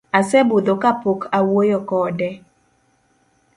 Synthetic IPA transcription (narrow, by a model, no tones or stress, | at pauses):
asɛbod̪okapokʰawojɔkɔːdɛ